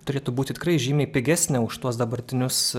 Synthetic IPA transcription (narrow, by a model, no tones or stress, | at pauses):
t̪ʊɾʲeːt̪uːbuːt̪ʲɪt̪ʲɪkrɐɪʒʲiːmʲɛːɪpʲɪɡʲæːsʲnʲɛʊʃt̪uɔsd̪ɐbɐɾʲt̪ʲɪnʲʊs